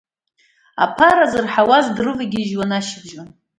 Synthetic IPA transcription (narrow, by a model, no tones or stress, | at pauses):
a̰pʰaɾazɨrħawazdrɨvaɡʲiɪʒwanaʃɪbʒan